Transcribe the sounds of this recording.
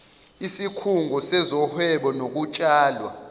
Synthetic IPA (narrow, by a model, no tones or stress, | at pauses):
isikʰuŋɡʱɔsɛzɔhɛɓɔnok̬ut͡ʃʼaːlwa̰